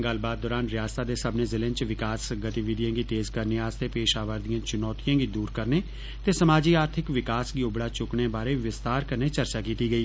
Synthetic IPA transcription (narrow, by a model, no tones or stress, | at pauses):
ɡəlbaːd̪̚ːɔːɾaːnɾɪjaːst̪aːd̪eːsəbneːzɪlẽnt͡ʃʋɪkaːsɡət̪iːʋid̪ijãːɡiːt̪eːzkəɾneːaːst̪eːpeːʃaːʋəɾd̪ijãːt͡ʃɪnɔːt̪ijãːɡiːd̪uːɾkəɾneː | t̪eːsəmaːd͡ʒiːaːɾt̪ʰɪkʋɪkaːsɡiːʊbɽaːt͡ʃʊkɳeːbaːɾeːʋɪst̪aːɾkəɾneːt͡ʃəɾt͡ʃaːkiːt̪iːɡəiː